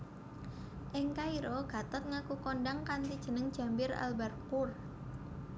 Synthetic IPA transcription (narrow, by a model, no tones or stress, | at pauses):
ʔɪŋkaiɾoɡ̥a̤t̪ət̪̚ŋakukoɳɖaŋkant̪id̥ʒ̥ə̤nəŋd̥ʒ̥a̤mbɪɾa̰lbɛrpur